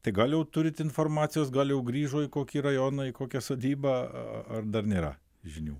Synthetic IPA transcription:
t̪ɐɪɡɐlʲˠjɛʊt̪ʊɾʲɪt̪ʲɪnfoːrmɑːt̪sʲɪjoːsɡɐlʲˠjɛʊɡɾʲiːʒoːɪkoːkʲiːɾɐjoːnɐɪkoːkʲɛsoːd̪ʲiːbɑ̰ɐrd̪ɐrnʲeːɾɐ̰ | ʒʲɪnʲuː

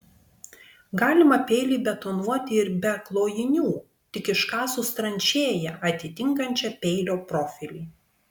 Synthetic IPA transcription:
ɡɑːlʲɪmɐpʲɛɪlʲiːbʲɛt̪onuɔt̪ʲɪɪɾbʲɛɐklˠoːjɪnʲuː | t̪ʲɪkʲɪʃkɑːsʊst̪ɾɐnʲt͡ʃʲeːjɛʔɐt̪ʲɪt̪ʲɪŋkɐnʲt͡ʃʲɛpʲɛɪlʲoːpɾɔfʲɪlʲiː

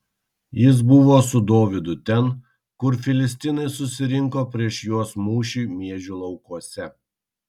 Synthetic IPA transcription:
jɪs̬bʊʋoːsʊd̪oːʋʲɪd̪ʊt̪ʲɛn | kʊɾfʲɪlʲɪsʲt̪ʲɪnɐɪsʊsʲɪɾʲɪŋkoːpʲɾʲiɛʃjuɔsmuːʃʲiːmʲiɛʒʲulˠɒʊkuɔsʲɛ

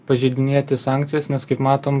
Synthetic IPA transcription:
pɐʒʲɛɪd̪ʲɪnʲiɛt̪ʲɪsɑːŋʲkt̪sʲɪjɛsnʲɛskɐɪpmɑːt̪oːm

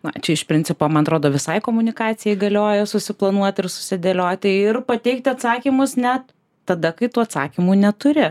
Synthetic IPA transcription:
nɐ̰t͡ʃʲɛɪʃpʲɾʲɪnʲt͡ssʲɪpoːmɐnɐt̪ɾoːd̪oːʋʲɪsɐɪkoːmʊnʲɪkɑːt̪t͡s̪ʲɪjɛɪɡɐlʲoːjɛsʊsʲɪplˠɐnuɔt̪ʲɪrsʊ̥sʲɪd̪ʲelʲoːt̪ʲɪɪrpɐt̪ʲɛɪk̚t̪ʲɐt̪sɑːkʲimʊsnʲɛt̪ | tɐd̪ɐkɐɪt̪uːɐt̪sɑ̰ːkʲimuːnʲɛt̪ʊɾʲɪ

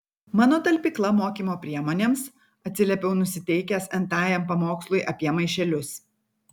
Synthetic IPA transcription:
mɑːnoːt̪ɐlʲpʲiːklˠɐmoːkʲiːmoːpʲɾʲiɛmoːnʲeːms | ɐt̪ʲsʲɪlʲɛpʲɛʊnʊsʲɪt̪ʲɛɪkʲɛsɛnt̪ɑːjɛmpɐmoːkslˠʊɪʔɐpʲiɛmɐɪʃʲɛlʲʊs

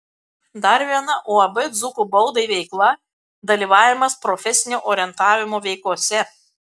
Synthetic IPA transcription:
d̪ɐɾʋʲiɛnɐʔoːɐbɨd̪zʊkuːbɔʊd̪ɐɪʋʲɛɪklˠɐ | d̪ɐlʲiːʋɑːʋʲɪmɐspɾɔfʲɛsʲɪnʲoːʔoːɾʲɪɛnt̪ɑːʋʲɪmoːʋʲɛɪklˠuɔsʲɛ

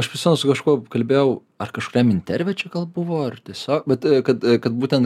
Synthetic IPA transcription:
ɐʃpɾʲɪsmʲɛnʊsʊkɐʃkuɔkɐlʲbʲeːjɛʊ | ɐrkɐʃkʊɾʲɛmɪnʲt̪ʲɛɾʲʋʲɛt͡ʃʲɛɡɐlˠbʊʋoːɐrt̪ʲiɛsʲoːk̚bʲɛt̪kɐt̪kɐt̪buːtʲɛnt̪

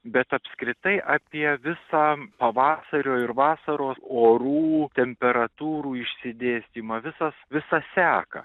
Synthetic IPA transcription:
bʲɛt̪ɐpʲskɾʲɪt̪ɐɪʔɑːpʲiɛʋʲɪsɑːpɐʋɑːsɐɾʲoːɪɾʋɑːsɐɾoːoːɾuːt̪ʲɛmʲpʲɛɾɐt̪uːɾuːɪʃʲsʲɪd̪ʲeːsʲt̪ʲiːmɑːʋʲɪsɐsʋʲɪsɑsʲæːkɐ̰

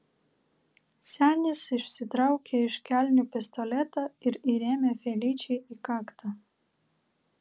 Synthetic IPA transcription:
sʲæːnʲɪsɪʃʲsʲɪt̪ɾɑˑʊkʲeɪʃkʲæˑlʲnʲupʲɛst̪ɔlʲɛt̪ɑːɪɾiɾʲeːmʲefʲelʲiːt͡ʃʲɛɪikɑːkt̪ʰɑː

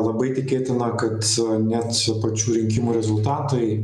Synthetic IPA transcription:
lˠɐbɐɪt̪ʲɪkʲeːt̪ʲɪnɐkɐt̪nʲæt̪pɐt͡ʃʲuːɾʲɪŋʲkʲɪmuːɾʲɛzʊlˠt̪ɑːt̪ɐɪ

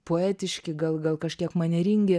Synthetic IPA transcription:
poɛːt̪ʲɪʃʲkʲɪɡɐlˠɡɐlˠkɐʃʲkʲiɛkmɐnʲɛɾʲiŋʲɡʲɪ

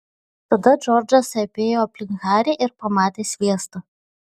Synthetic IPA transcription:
t̪ɐd̪ɐd͡ʒɔɾd͡ʒɐsɐpʲeːjoːɐpʲlʲɪŋɣɑːɾʲeʔɪɾpɐmɑːt̪ʲeːsʲʋʲiɛst̪ɐ

